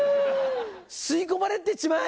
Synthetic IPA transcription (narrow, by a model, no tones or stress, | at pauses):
sɨikomaɾet̪et͡ɕima